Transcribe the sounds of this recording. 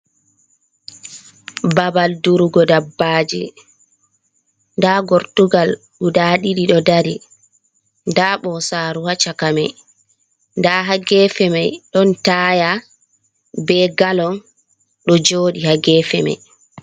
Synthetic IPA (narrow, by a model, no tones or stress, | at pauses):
babalduɾuɡɔdabːaːd͡ʒḭ | ndaɡoɾtuɡal | ɗudaɗiɗiɗɔdaɾi | ndaɓɔsaːɾuhat͡ʃakamɛj | ndaɦaɡɛːfɛmajɗɔntaːja | bɛɡalɔn | ɗɔd͡ʒoːɗihaɡɛːfɛma̰j